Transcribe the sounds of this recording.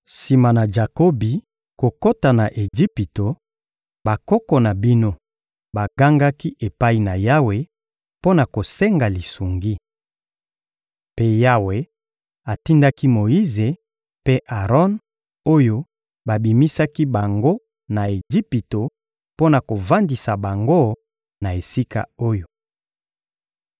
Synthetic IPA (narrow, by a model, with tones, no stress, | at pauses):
si˨ma˨na˨d͡ʒa˨ko˦bi˨ | ko˨ko˦ta˨na˨ʔe˨ʒi˦pi˨to˨ | ba˨kɔ˦kɔ˨na˨bi˦no˦ | ba˨ɡa˦ŋɡa˦ki˦ʔe˨pa˦i˨na˨ja˦we˨ | po˦na˨ko˨se˦ŋɡa˨li˨su˨ŋɡi˦ | pe˦ja˦we˦ | a˨ti˦nda˦ki˦mo˨ji˦ze˨ | pe˦ʔa˨ʁɔ˦n | o˦jo˦ | ba˨bi˨mi˦sa˦ki˦ba˨ŋɡo˦ | na˨e˨ʒi˦pi˨to˨ | po˦na˨ko˨va˦ndi˨sa˨ba˨ŋɡo˦ | na˨e˨si˦ka̰˨o˦jo˨